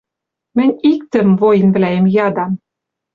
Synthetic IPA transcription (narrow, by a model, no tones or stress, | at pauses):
mɘ̆nʲikt̪ɘ̆mvojɘ̆nvlæemjɑd̪ɑm